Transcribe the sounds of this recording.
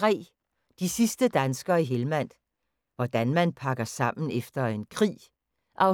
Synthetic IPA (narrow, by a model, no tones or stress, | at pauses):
ʁɛ̰ː | d̥isisd̥əd̥ænsɡ̥ɐːiɦelmæn̰d̥ | ʋɒd̥ænmænpʰɑ̈ɡ̥ɐsɑ̈m̰n̩efd̥ɐe̝nkʰʁḭː | ʔɒʊ